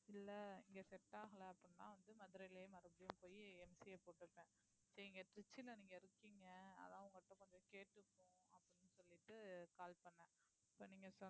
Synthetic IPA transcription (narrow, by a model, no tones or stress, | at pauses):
ɪlːɐɪŋɡɐsɛʈːaːɣɐɭɐɐpːɐɽɪnːã̰ːʋɐnd̪ɯmɐðɯɾɐɪlemɐɾɐbɪjʊ̃mpoːjiɛmsɪjɐpoːʈːɯʈːɛ̃ | sɛɪŋɡɐʈɾɪt͡ʃːɪlɐniːŋɡɐɪɾɯkːiːŋɡɐɐ̰ðãːɐʊŋɡɐʈːɐ̃kɔɲd͡ʒɔ̃keːʈːɯkːʊ̃ɐpːɐɽɪnːɯsɔlːɪʈːɯkaːlpɐɳːɛ̃ | ɪpːoːniːŋɡɐsɔ